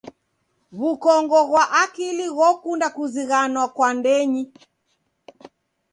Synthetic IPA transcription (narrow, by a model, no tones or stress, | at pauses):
βukɔŋɡɔɣwaʔakiliɣɔkundakuziɣanwakwandɛɲi